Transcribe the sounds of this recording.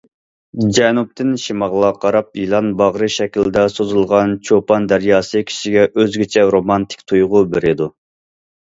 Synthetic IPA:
d͡ʒɛnup̚t̪ʰɪnʃimɑʁlˠɑqʰɑɾɑp̚jilˠɑnbɑʁɾɨʃɛkʲild̪ɛsozulˠʁɑnt͡ʃʰopɑnd̪æɾjɑːsɨkʲʰi̥ʃiɡʲɛʔøzɡʲit͡ʃʰɛɾomɑnt̪ʰɪ̥kʲt̪ʰujʁʊbeɾɪd̪u

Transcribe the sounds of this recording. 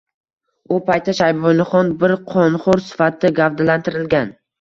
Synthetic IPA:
ʊpʰajt̪ʰːaʃajbɔnɪχɒnbɪɾqʰɒnχʊɾsɪ̥fat̪ʰːɪɡʲavd̪alant̪ɪɾɪlɡʲan

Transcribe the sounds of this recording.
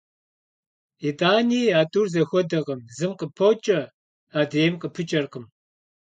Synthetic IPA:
itʼaːniːaːtʼurzɐxʷɔdɐʁɐmzɨmqəpʰɐwt͡ʃʼɐ | aːdeːjmqəpʰɨt͡ʃʼɐrqəm

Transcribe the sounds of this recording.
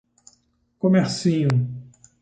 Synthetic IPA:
komeɾsĩɲʊ

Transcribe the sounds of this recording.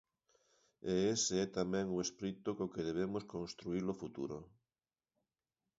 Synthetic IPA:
eeseɛt̪amɛ̃ŋuespɾit̪okokeðeβ̞emoskonst̪ɾuiɾlofut̪ṵɾo̰

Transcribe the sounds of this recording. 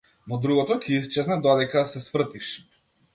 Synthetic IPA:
nɔd̪ɾuɣɔt̪ɔkiist͡ʃɛznad̪ɔd̪ɛkasɛsvr̩t̪iʃ

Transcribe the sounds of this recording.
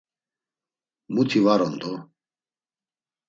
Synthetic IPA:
mut̪ʰivaɾɔnd̪ɔ

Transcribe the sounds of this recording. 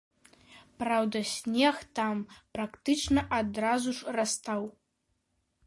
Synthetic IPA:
prawd̪ɐsʲnʲext̪amprakt̪ɨʈ͡ʂnɐʔad̪razuʂrast̪ʰaw

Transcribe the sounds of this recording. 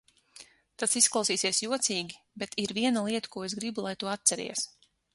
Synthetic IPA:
t̪asisklˠawsiːsiɛsjuɔt̪siːɡʲi | bɛt̪iɾviɛnalˠiɛt̪ḁkuːɔezɡɾibulˠajt̪uɔat̪̚t̪sɛɾḭɛs

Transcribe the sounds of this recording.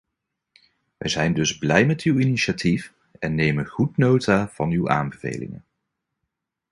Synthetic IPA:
ʋʔɛ̰jzɛjndɵzblɛjmɛtywiniʃatʰif | ɛnːejmənχutnowtaːv̥ɑnywʔa̰ːnbəvḛjlɪ̰ŋə̰n

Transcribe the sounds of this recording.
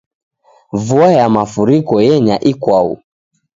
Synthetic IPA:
vuajamafuɾikɔjɛɲaʔikwaṵ

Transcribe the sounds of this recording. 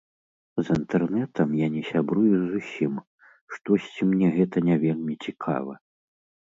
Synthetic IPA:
zint̪ɛrnɛt̪ɐmjanʲɛsʲabɾujuzusʲim | ʂt̪ɔsʲt͡sʲimnʲɛɣɛt̪ɐnʲavʲelʲmʲit͡sʲikʰa̰vɐ̰

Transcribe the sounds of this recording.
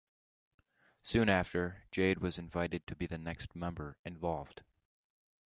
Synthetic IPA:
sʉ̃næftʰə̥˞d͡ʒeɪd̚wʌzɨ̃ɱvaɪɾɨd̚tʰɨbiðɨnɛkst̚mɛ̃mbə˞ɨ̃ɱvɑlˠvd̥

